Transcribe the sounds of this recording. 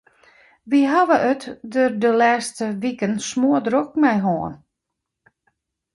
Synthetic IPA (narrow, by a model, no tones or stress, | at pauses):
ʋiɦaʋəʔətdøːrdəlɛːstəʋikənsmoədrok̚mɛjɦɔːn